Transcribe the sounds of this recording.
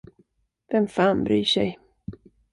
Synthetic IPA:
vɛmfaːnbɾyːʂɛ̰j

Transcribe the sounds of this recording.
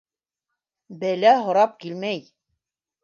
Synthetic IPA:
bælæɦŏɾɑp̚kilmæj

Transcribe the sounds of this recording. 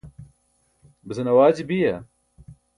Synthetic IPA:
bəzɐnɐwaːd͡ʑibijɐ

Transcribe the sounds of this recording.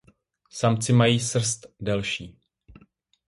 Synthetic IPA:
samt͡sɪmajiːsr̩st̪dɛlʃiː

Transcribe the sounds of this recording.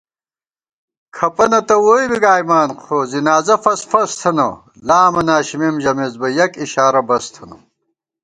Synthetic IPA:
kʰɐpɐnɐt̪ɐwoːibiɡaːjmaːnqʰoːzinaːzɐfɐsfɐst̪ʰɐnɐ̰ | laːmɐnaːɕimimʑɐmezbɐjɐkiɕaːɾɐbɐst̪ʰɐnɐ

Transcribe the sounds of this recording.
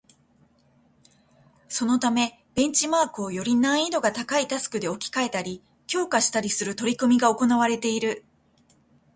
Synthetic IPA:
so̞no̞t̪ame̞ | b̥ẽ̞ɲ̟t͡ɕimaːkɯo̞jo̞ɾʲinãɰ̃id̪o̞ɡat̪akait̪asɨ̥kɯ̟d̪e̞o̞kʲi̥kae̞t̪aɾʲi | kʲo̞ːkaɕi̥t̪aɾʲisɨɾɯ̟t̪o̞ɾʲikɯmʲiɡao̞ko̞naβaɾe̞t̪e̞iɾɯ̟

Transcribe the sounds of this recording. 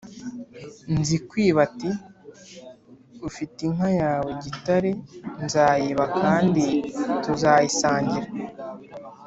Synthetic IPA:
nzikwiːβati | ufitiŋajaːweɟitaɾe̞nzaːjeβakʰaːndituzajisaːɲɟiɾa

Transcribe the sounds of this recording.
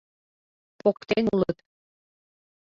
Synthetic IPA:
pokt̪enulət̪

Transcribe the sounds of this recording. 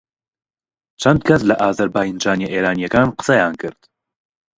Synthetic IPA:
t͡ʃʰɐnd̪̚kʰɐslɐʔaːzɐɾbaːjind͡ʒaːnjeʔeːɾaːnijɛkaːnqə̥sɐjaːnkʰɨɾt̪

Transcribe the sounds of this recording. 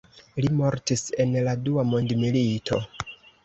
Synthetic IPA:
limo̞ɾtise̞nladuamo̞ndmilitʰo̞̰

